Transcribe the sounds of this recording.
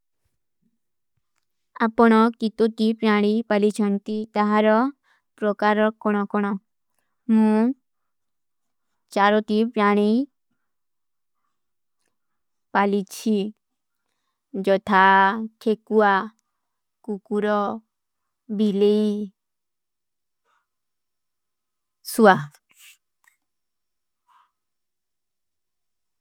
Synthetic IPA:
apɔɽ̃ɔkit̪ot̪ipɾaɽ̃ipalit͡ʃʰɔnt̪it̪aɦaɾɔ | pɾɔkaɾɔkɔɽ̃ɔkɔɽ̃ɔ | mũ | t͡ʃaɾɔt̪ipɾaɽ̃i | palit͡ʃʰi | d͡ʒɔt̪ʰakʰekua | kukuɾɔ | bʱilei | sua

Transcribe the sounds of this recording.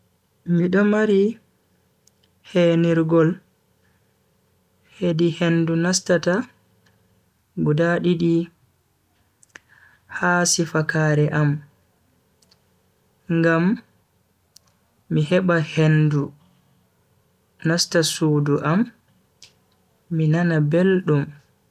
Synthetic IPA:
miɗɔmaɾi | heniɾɡɔl | hedihendunastata | ɡudaɗiɗi | haːsifakaːɾɛʔam | ŋɡam | iɦɛɓahendu | nastasuːduʔam | inanabelɗum

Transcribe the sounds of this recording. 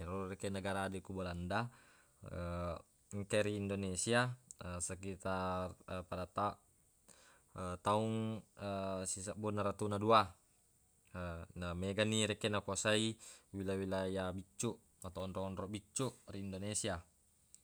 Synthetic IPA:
ɛɾurekenaɡaɾaːdekubalanda | ə | ŋkeɾiːndonesiaəsak̬it̪arpadat̪a | ət̪auŋəsisaʔbunaɾat̪unadua | ənameɡaniɾekenakuasaiwilawilajabit͡ʃːuʔ | at̪aɔnɾɔŋɔnɾɔʔbit͡ʃːuʔriːndonesia

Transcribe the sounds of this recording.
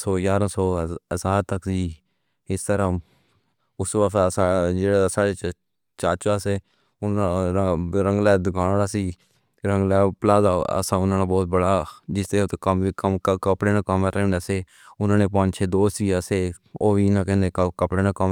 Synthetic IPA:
soːjaːɾãːsoːəzaːɾt̪əksiː | ɪst̪əɾãː | ʊsʋaːssad͡ʒeːɽaːsaːɽeːt͡ʃ | t͡ʃaːt͡ʃaːseː | ʊnã | ɾə̃ŋɡlɛːd̪ʊkʰaːaːsiː | ɾəŋɡlɛːpəlaːzaːə̰sãːʊnãːnaːbɔːt̪̚bəɽaːd͡ʒɪst̪eot̪ːkəmikəmkəkəpɽeːnãːkəmɾɛnəseː | ʊnãːneːpə̃ːɲd͡ʒt͡ʃʰeːd̪oːstiːəseː | oːʋiːnãːkɛ̃ːnd̪eːkəkəpɽeːnãːkəm

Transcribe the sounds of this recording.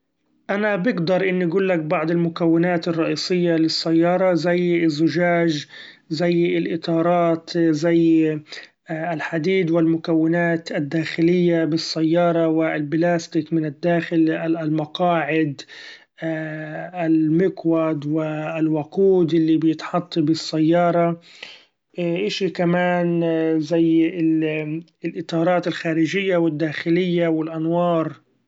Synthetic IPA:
ʔanabɪɡd̪ɑɾˤʔɪnːʔaɡuːlːak̚bɑʕd̪ˤɪlmʊkawːɪnaːt̪ɪrˤːɑʔiːsˤɪjːalɪsːajːɑːɾˤɑzajːɪzːʊʒaːʒzajːɪlʔɪt̪ˤɑːɾˤɑːt̪zaj | ɪlħad̪iːd̪wɪlmʊkawːɪnaːt̪ʔad̪ːaːxɪlɪjːabɪsːajːɑːɾˤɑwɪlblaːst̪ɪkmɪnɪd̪ːaːxɪlalmɑqɑːʕɪd̪ | ɪlmɪkwad̪wɪlwaquːd̪ʔɪlːibɪjɪt̪ħɑt̪ˤːibɪsːajːɑːɾˤɑ | ʔʔɪʃikamaːnzajɪ | lʔɪt̪ˤɑːɾˤɑːt̪ɪlxaːɾɪʒɪjːawɪd̪ːaːxɪlɪjːawɪlʔanwɑːɾˤ

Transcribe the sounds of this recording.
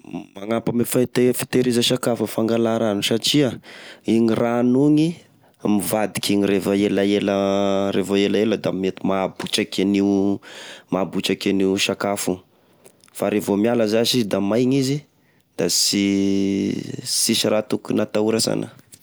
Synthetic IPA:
maŋapamefait̪efi̥t̪eɾizəʃakafəfaŋɡalaɾanusaʈ͡ʂiaiɲirʔanuɲi | mivad̪ikʲiɲirefaelaeləɾevaelaeləd̪amet̪imabut͡ʃakʲaniu | mabut͡ʃakʲaniuʃakafu | faɾevomialəzaʃizd̪amajɲizi | d̪asi | sisiɾat̪ukunat̪auɾasa̰nə̰

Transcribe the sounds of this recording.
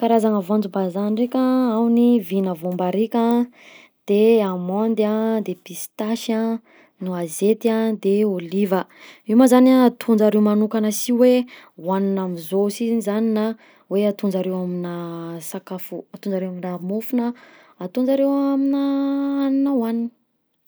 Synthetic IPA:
kaɾazaŋəvand͡zubazanrekʲaawnivinəvombaɾikʲã | d̪̥eamɔnd̪ad̪epist̪aʃa | nuazet̪iad̪eolivə | imazanaat̪ʰund͡zaɾewmanukanəsiwe | waninamizosinizanina | weat̪und͡ʒaɾewaminasakafuat̪und͡zaɾewaminamufunəː | t̪und͡zaɾewaminəaninəwanin

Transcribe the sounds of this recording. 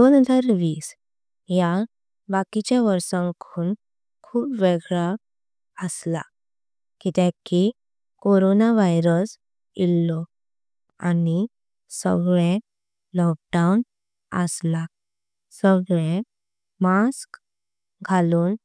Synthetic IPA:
d̪onɦəd͡zaɾʋiːs | ja | bakit͡ɕjaʋəɾsə̃ŋkʰuːn | kʰuːpʋeɡɭa | əsla̰ | kit̪ẽki | koɾonaʋajɾəs | ilːɔ | ani | sə̰ɡɭẽ | lɔk̚ɖaun | ə̰sla | səɡɭẽ | mask | ɡʱaluːn

